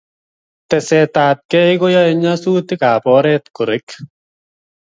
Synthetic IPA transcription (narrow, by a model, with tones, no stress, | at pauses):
tɛ˨sɛ˨taːt̚kɛ˦iko˦ja˦ɛɲa˦su˦tɪ˦ka˨pɔ˦ɾɛ˦tkʊ˨ɾɪ˦k